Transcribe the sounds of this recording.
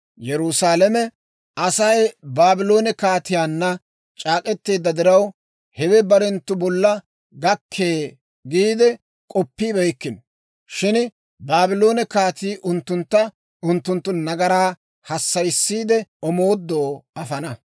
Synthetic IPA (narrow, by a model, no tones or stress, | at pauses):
jɛɾusaːlɛmɛ | ɐsɐjbaːbɪlo̞ːnɛkaːt̪ɪjaːnːɐ | t͡ʃʼaːkʼɛt̪ːeːd̪ːɐd̪ɪɾɐw | hɛwɛbɐɾɛnt̪ːʊbɔlːɐ | ɡɐkʰːeː | ɡiːd̪ɛ | kʼɔpːiːbɛjkːɪn | ʃɪn | baːbɪlo̞ːnɛkaːt̪iːʔʊnt̪ːʊnt̪ːɐ | ʊnt̪ːʊnt̪ːʊnɐɡɐɾaː | hɐsːɐjsːiːd̪ɛɔmoːd̪ːoːɐfɐnɐ